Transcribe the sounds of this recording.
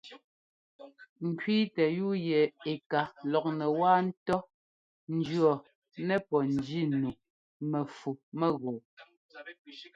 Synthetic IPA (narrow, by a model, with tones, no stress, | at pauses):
ŋ̩˨kɥiː˦tɛ˨ju˦jɛ˨e˨ka˨lɔ˨k̚nɛ˨waː˦n̩˦tɔ˦ | n̩˨˦d͡ʒɰɔ˨ | nɛ˦pɔ˨n˨d͡ʒi˦˨nu˨ | mɛ˨fu˨mɛ˦˨ɣɔ˨